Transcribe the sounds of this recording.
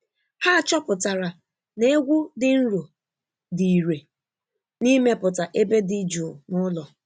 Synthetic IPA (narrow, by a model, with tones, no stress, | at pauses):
ha˦˨t͡ʃɔ˦pʊ˨ta˨ɾa˨ | ne˦e˦ɡʷu˦dɪ˨n̩˦ɾo˨ | di˨i˨ɾe˨ | ni˦me˦pʊ˨ta˨ʔe˦be˦dɪ˦d͡ʒu˨nʊ˦lɔ˨